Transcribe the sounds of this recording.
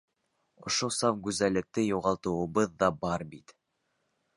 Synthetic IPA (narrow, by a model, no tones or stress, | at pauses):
ŏ̰ʃosɑfɡʉzælːɘ̆k̚t̪ɘjuʁɑlˠt̪ɤ̆wɤ̆βɤðːɑbɑɾbit̪